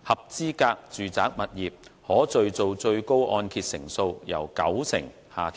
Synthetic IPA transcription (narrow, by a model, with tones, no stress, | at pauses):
hɐ˨p̚t͡siː˥kaː˧k̚t͡syː˨˩t͡saː˨˥k̚mɐ˨t̚jiː˨p̚hɔː˨˥t͡sɵ˨ɥt͡so˨wt͡sɵ˧ɥko˥wʔɔː˧nkʰiː˧t̚sɪ˨˩ŋso˧wjɐ̰˨˩wkɐ̰˨˥wsʰɪ̰˨˩ŋ | haː˨t̪ʰ